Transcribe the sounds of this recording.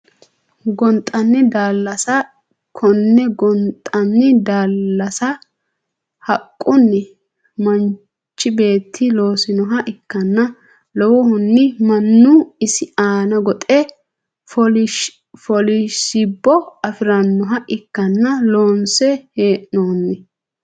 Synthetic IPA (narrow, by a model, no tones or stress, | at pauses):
ɡɔnt̪ʼːɐnːɪd̪aːlːɐsɐ | kʰɔnːɛɡɔnt̪ʼːɐnːɪd̪aːlːɐsɐ | hɐkʼːʊnːɛ | mɐn | t͡ʃːɪbe̞ːt̪ʰːɪloːsɪnɔɦɐʔɪkːɐnːɐ | lɔwɔhʊnːɪmɐnːʊɪsɪaːnɐɡɔt̪ʼɛ | ɔ | fɔlɪʃɪbːɔɐfɪɾɐnːɔɦɐʔɪkːɐnːɐloːnsɛheːʔnoːnːɪ